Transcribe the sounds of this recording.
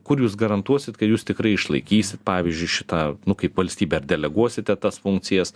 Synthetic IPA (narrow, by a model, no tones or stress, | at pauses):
kʊɾjuːsɡɐɾɐnt̪uɔsʲɪt̪kɐt̪juːst̪ʲɪkɾɐɪɪʃlˠɐɪkʲiːsʲɪt̪pɑːʋʲizʲd͡ʒʲʊɪʃʲɪt̪ɑːnʊkɐɪpʋɐlʲsʲt̪ʲiːbʲɛːɐrd̪ʲɛlʲɛɡuɔsʲɪt̪ʲɛt̪ɐsfʊŋk̚t͡ssʲɪjɛs